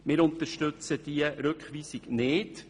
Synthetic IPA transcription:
mɪːɾʊnt̪əɾʃtɵt͡səd̥iəɾɵkχʋiːsiɡnɪːd

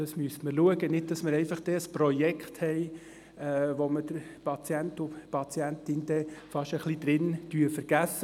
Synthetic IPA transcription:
d̥ɑsmyəstməɾluəɡənɪd̚dɑsməɾɛɪfɑχd̥ɛəspɾɔjɛkχthɛɪ | ɛːʋomədəɾpʰɑt͡sjɛntupɑt͡sjæntɪnd̪ɛfɑʃəχlid̪ɾɪnd̥yəfəɾɡ̥æsːə

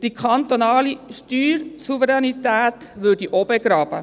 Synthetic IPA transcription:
d̥ikʰɑnt̪onɑːliʃtyːɾsuvəɾɛnit̪æːt̪ʋøːdiʔobɛɡɾɑːb̥ə̰

